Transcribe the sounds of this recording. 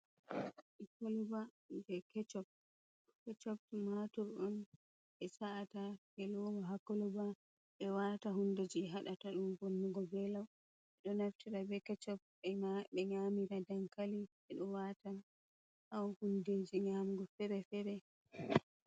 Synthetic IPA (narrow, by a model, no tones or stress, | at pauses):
ʔikoluba | d͡ʒɛkɛt͡ʃɔb̚ | kɛt͡ʃɔbmatɔɾɗɔn | ɓɛsaʔːtahɛlɔwɔɦakoluba | ɓɛwataɦunded͡ʒiɦaɗataɗumbonːuɡɔbɛlaw | ɛɗɔnaftiɾabɛkɛt͡ʃɔb̚ | ɓɛɲamiɾadaŋkali | ɛɗɔwata | hawhunded͡ʒiɲamɡɔfɛɾɛfɛɾɛ